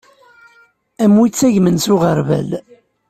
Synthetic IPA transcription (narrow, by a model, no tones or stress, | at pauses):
æmwit͡sːæʝmənsʊʁəɾvæ̰l